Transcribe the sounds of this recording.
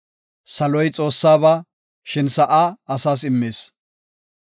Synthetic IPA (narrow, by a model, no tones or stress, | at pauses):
sɐlɔjt͡sʼo̞ːsːaːβɐ | ʃɪnsɐʔaːɐsaːs̬ɪmːeːs